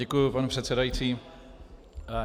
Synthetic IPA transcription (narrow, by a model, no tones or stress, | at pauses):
ɛkujʊpanɛpr̥ɛt̪sɛdajit͡siː